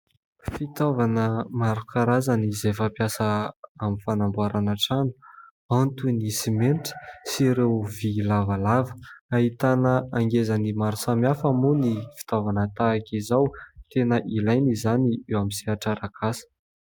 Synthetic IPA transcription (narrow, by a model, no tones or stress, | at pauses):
fit̪ovanəmaɾukʰaɾazanizefapjasəamifanambuaɾanaʈ͡ʂanu̥ | ant̪unisimenʈ͡ʂə̥siɾewvilavalavə̥aɦit̪anəaŋɡezənimaɾusamjafamunifi̥t̪ovanət̪aːkʲizawt̪enəʔilajnizaniewamisiaʈ͡ʂaɾakʰasə̥